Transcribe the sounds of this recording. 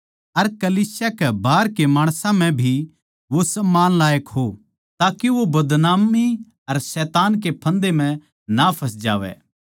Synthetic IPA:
ɐɾkɐliːsjakɛbaːɾkemaːɽ̃sãm̤ɛ̃bʱi | ʋosɐmːaːnlaːjəkɦo | t̪aːkeʋobɐd̪naːmːi | ɐɾsɛːt̪aːnk̬epʰɐ̃nd̪em̤ɛ̃ | napʰɐs̬d͡ʒa̰ːʋɛ̰ː

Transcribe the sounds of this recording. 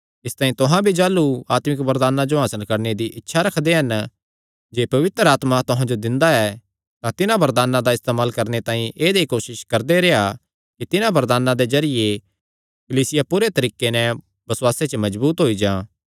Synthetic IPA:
ɪst̪ãːĩt̪ʊɦãbʱid͡ʒaːluaːt̪mɪkbɐɾd̪aːnãd͡ʒoɦaːsəlkɐɾned̪iʔɪtːʃʰaɾɐkʰd̪eɦɐn | d͡ʒeːpɐʋɪt̪ɾəaːt̪mat̪ʊɦãd͡ʒod̪ɪ̃nd̪aɛ | t̪ãt̪ɪnãbɐɾd̪aːnãd̪aɪst̪eːmaːlkɐɾnet̪ãːɦĩʔeːd̪ekoːʃɪʃkɐɾd̪eɾeɦa | kit̪ɪnãbɐɾd̪aːnãd̪ezɐɾɪje | kɐliːsɪjapʊɾet̪ɐɾiːkenɛ | bɐswaːset͡ʃəmɐd͡ʒbuːt̪ɦoid͡ʒãː

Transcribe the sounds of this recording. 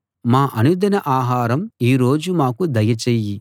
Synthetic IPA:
maːʔɐnud̪ɐnɐʔaːɦaːɾɐmiːɾo̞ːd͡ʒumaːkud̪ɐjɐt͡ʃejːi

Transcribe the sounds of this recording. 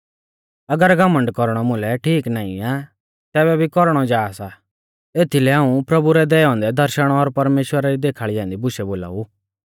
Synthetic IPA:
ɐɡəɾɡɐməɳɖkɔɾɽ̃ɔmʊ̃lɛʈʰiːknaːḭ̃a | t̪ɛːbɛbʱikɔɾɽ̃ɔd͡ʒaːsa | eːt̪ʰilɛãːũpɾɐbuɾɛd̪ɛːɔ̃ːnd̪ɛd̪ʱɐɾʃəɽ̃ɔɔːɾpɐɾmeːʃwəɾaɾid̪eːkʰaɭijãːnd̪ibʊʃɛboːla̰ːu

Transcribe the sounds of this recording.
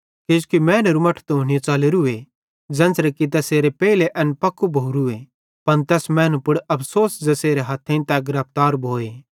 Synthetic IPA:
ked͡ʒkimɛ̃ːnuɾumɐʈʰt̪ɦoːɽ̃ɪjet͡ʃaːleɾue | d͡ʒɛ̃ːnsɾɐkit̪̬ɛːseːɾepɛːileʔɐnpɐkːubʱoːuɾue | pɐnt̪ɛːsmɛ̃ːnupʊɽɐpʰsoːsd͡ʒɐseːɾeɦɐt̪ʰːẽĩt̪ɛɡɾɐp̚ʰt̪aːɾbʱoːeː

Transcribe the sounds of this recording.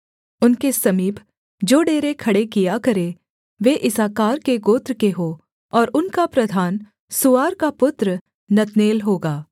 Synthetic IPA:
ʊnkesɐmiːb | d͡ʒoːɖeːɾekʰɐɽekijakɐɾe | ʋeʔɪsaːkaːɾkeɡoːt̪ɾəkeɦoː | ɔːɾʊnkapɾɐd̪ʱaːn | sʊʋaːɾkapʊt̪ɾə | nɐt̪neːlɦoːɡaː

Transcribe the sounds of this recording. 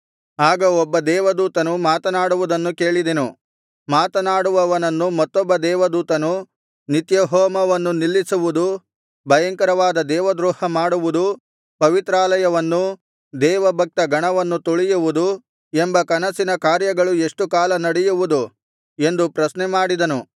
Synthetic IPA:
aːɡɐɔbːɐd̪ɛːʋɐd̪uːt̪ɐnumaːt̪ɐnaːɽuʋud̪ɐnːuke̞ːɭid̪enu | maːt̪ɐnaːɽuʋɐʋɐnɐnːumɐt̪ːɔbːɐd̪ɛːʋɐd̪uːt̪ɐnu | nit̪jɐɦɔːmɐʋɐnːunilːisuʋud̪u | bʱɐjɐŋkɐɾɐʋaːd̪ɐd̪ɛːʋɐd̪ɾuːhɐmaːɽuʋud̪u | pɐʋit̪ɾaːlɐjɐʋɐnːu | d̪ɛːʋɐbʱɐk̚t̪ɐɡʱɐɳɐʋɐnːut̪oɭijuʋud̪u | embɐkɐnɐsinɐkaːɾjɐɡɐɭue̞ʂʈukaːlɐnɐɽɛjuʋud̪u | e̞nd̪upɾɐsnɛmaːɽid̪ɐnu

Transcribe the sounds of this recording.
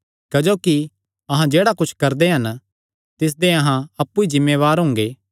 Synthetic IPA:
kɐd͡ʒoːki | ɐɦãd͡ʒeːɽakʊt͡ʃʰkɐɾd̪eɦɐn | t̪ɪs̬d̪eɐɦãɐpːuizɪmːeːʋaːɾɦʊ̃ːŋɡeː

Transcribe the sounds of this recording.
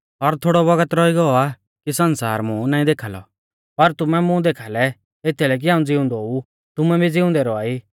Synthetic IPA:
ɔɾt̪ʰoːɽɔβɐɡət̪ɾɔiɡɔa | kisɐnsa̰ːɾmʊ̃naːĩd̪eːkʰaːlɔ̰ | pɐɾt̪ʊmɛmʊ̃d̪eːkʰaːlɛ | et̪ʰilɛːk̬iɦãːũd͡zɪʊ̃nd̪ɔɦu | t̪ʊmɛbid͡zɪʊ̃nd̪ɛɾɔaːiː

